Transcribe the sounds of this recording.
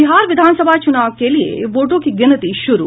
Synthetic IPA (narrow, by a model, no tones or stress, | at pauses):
iɦaːɾʋɪd̪ʱaːnsəbʱat͡ʃunaːʋkelijḛʋoːʈõkiɡɪnət̪iʃʊɾṵ